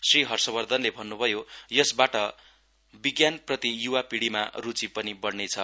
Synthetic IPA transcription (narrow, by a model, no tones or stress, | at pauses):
sriɦʌrsʌbʌrd̪ʱʌnlebʱʌnːubʱʌjojʌsbaʈʌ | biɡjanprʌt̪ijuwapiɽima̰rut͡sipʌnibʌɽnet͡sʰʌ